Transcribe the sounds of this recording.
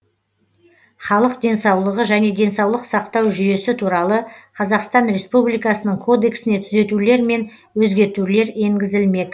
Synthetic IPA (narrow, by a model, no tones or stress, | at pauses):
χɑlˠəqd̪e̞nsɑwlˠəʁəʒæne̞d̪e̞nsɑwlˠəqsɑqt̪ɑwʒʏje̞sɪt̪ʰuɾɑlˠəqʰɑzɑqst̪ɑnɾe̞spublijkɑsənəɴkʰo̞d̪e̞ksɪne̞t̪ʰʏze̞t̪ule̞ɾme̞n | wɵzɡʲe̞ɾt̪ule̞ɾe̞ŋɡʲɪzɪlme̞d̪ɪ